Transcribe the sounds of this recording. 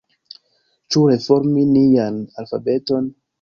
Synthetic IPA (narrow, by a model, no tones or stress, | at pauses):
t͡ʃuɾe̞foɾminijanalfabe̞to̞n